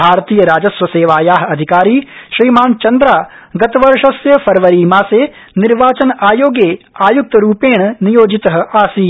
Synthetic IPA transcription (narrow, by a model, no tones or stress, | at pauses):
bʱaːɾt̪iːjɐɾaːd͡ʒɐsʋɐseːʋaːjaːɦɐɐd̪ʱikaːɾiːʃɾiːmaːnt͡ʃɐnd̪ɾaːɡɐt̪ɐʋɐɾʂɐsjɐpʰɐɾʋɐɾiːmaːseː | niɾʋaːt͡ʃɐnɐʔaːjoːɡeːaːjuk̚t̪ɐɾuːpeːɳɐnijoːd͡ʒit̪ɐɦɐ̆aːsiː